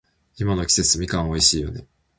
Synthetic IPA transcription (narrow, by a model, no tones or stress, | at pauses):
imano̞kʲi̥se̞t͡sɨmʲikãɰ̃o̞iɕiːjo̞̰ne̞